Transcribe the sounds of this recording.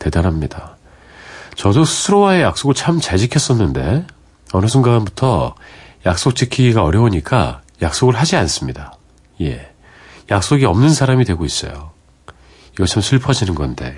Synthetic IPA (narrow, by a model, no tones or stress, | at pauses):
te̞danɦamɲida | t͡ɕʌdosʰɯɾowae̞jak̚s͈oɡɯɭt͡ɕʰamt͡ɕad͡ʑikʰjʌs͈ʌnːɯnde̞̰ | ʌnɯsʰɯŋɡanbutʰʌjak̚s͈ok̚t͡ɕ͈ʰikʰiɡiɡaʌɾjʌoɲik͈a̰jak̚s͈oɡɯɭɦad͡ʑians͈ɯmɲida | je̞̰ | jak̚s͈oɡiʌmnɯnsʰaɾamidwe̞ɡois͈ʌ̰jo | iɡʌt͡ɕʰamsʰɯɭpʰʌd͡ʑinɯnɡʌnde̞̰